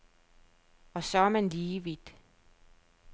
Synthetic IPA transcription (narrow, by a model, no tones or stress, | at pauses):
ɒ̽sɒæmænliːʋid̥